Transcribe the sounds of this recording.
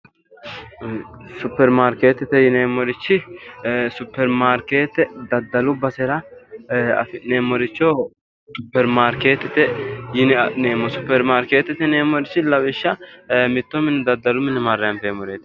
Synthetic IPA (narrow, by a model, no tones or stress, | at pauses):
sʊpːɛɾmaːɾke̞ːt̪ːɪt̪ɛjɪneːmːɔɾɪt͡ʃːɪ | sʊpːɛɾmaːɾkeːt̪ːɛd̪ɐd̪ːɐlʊbɐsɛɾɐ | ɐneːmːɔɾɪt͡ʃːɔ | sʊpːɛɾmaːɾke̞ːt̪ːɪt̪ɛjɪnneːmɔsʊpːɛɾmaːɾke̞ːt̪ːɪt̪ːɛneːmːɔɾɪt͡ʃːɪlɐwɪʃːɐmɪt̪ːɔmɪnɛd̪ɐd̪ːɐlʊmɪnːɛmɐrːɛɐmpemɔɾeːt̪ɛ